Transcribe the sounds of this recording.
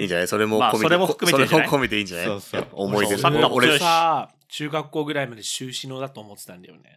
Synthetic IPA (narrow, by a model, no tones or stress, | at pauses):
ḭːɲd͡ʑanajso̞ɾe̞moaomoɾemoɯkɯmesoeemokʰome̞t̪e̞ĩːɲd͡ʑanao̰omo̞id̪eoɾesa | t͡ɕɨːɡakːo̞ːɡɯ̟ɾaimad̪e̞ɕɨːɕino̞ːd̪at̪o̞ːmo̞t̪e̥t̪ãnd̪ajo̰nḛ